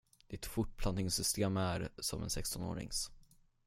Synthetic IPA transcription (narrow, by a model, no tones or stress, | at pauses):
d̪̥ɪt̪fʊʈ̚pʰlant̪ɪŋsʏst̪eːmæɾsɔmɛ̰nsɛkst̪ɔno̰ːɾɪ̰ŋs